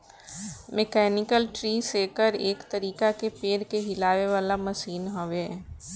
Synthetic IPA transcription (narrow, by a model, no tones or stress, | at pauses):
mekɛːnɪkəlʈɾiːseːkəɾeːkt̪ɐɾiːkakepeːɾkeɦɪlaːʋeʋaːlamɐsiːnɦoʋeː